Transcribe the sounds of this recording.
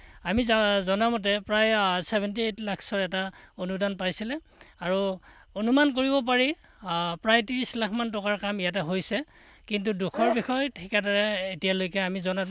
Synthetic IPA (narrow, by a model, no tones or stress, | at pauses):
amizɔnamɔt̬ɛpɹajsɛbʱɛntietlakʰsɔɹɛtaonudanpajsilɛ | aɹu | onumank̬oɹibɔp̬aɹi | pɹajtinislakʰmantɔkaɹkamijat̬ɛɦojsɛ | kintudukʰɔɹbixʰɔjtʰikadɔɹɛetijalojkɛamizɔna